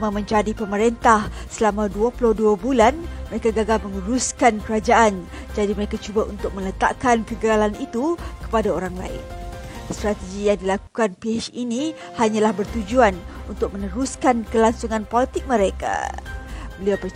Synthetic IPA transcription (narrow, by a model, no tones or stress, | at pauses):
mamə̃ɲd͡ʒadipəməɾent̪ahsəlamãduaplʊhduabulanməɾekaɡaɡalmə̃ŋəɾuskankəɾad͡ʒaʔan | d͡ʒadiməɾekat͡ʃubaunt̪ʊk̚mə̃lət̪a̰ʔkankəɡəalanit̪ukə̥padaoɾaŋla̰ɪ̰nst̪ɾat̪eɡijaŋdilaku̥kanpiat͡ʃini | haɲãlahbərt̪ud͡ʒuanunt̪ʊk̚mə̃nəɾuskankəlaŋsuŋãnpolit̪ɪk̚mə̃ɾeka̰ | bəliawpə